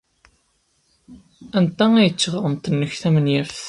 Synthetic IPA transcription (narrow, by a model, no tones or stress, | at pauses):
ænt̪ææjət͡sːəʁəɾˤəmt̪ənːəçθæmənjæfθ